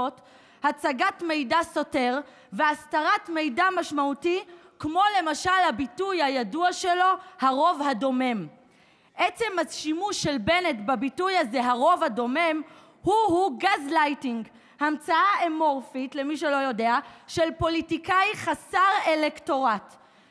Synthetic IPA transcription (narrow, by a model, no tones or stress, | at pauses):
ot | hat͡saɡatme̞jdaso̞te̞ʁ | veastaʁatme̞jdamaʃmauti | kmo̞le̞maʃalhabitujhajaduaʃe̞lo̞haʁo̞vhado̞me̞m | ʔet͡se̞maʃimuʃːe̞lbe̞netbabitujaze̞ɦaʁo̞vhado̞me̞m | huhuɡazlajtiŋɡ | hamt͡saaemoʁfitle̞miʃ̬elo̞jo̞de̞aʃe̞lpo̞litikajχasaʁelekto̞ʁat